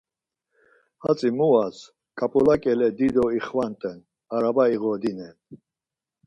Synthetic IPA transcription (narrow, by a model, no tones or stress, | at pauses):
ha̰t͡sʼimuas | kʼapʼɔlakʼɛlɛd̪id̪ɔiχvant̪ʼɛn | aɾabaiɣɔd̪inɛn